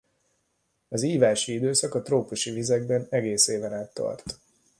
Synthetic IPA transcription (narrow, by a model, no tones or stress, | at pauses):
ɒziːvaːʃiid̪øːsɒkɒt̪roːpuʃivizɛɡbɛnɛɡeːseːvɛnaːt̪ːɒ̰rt̪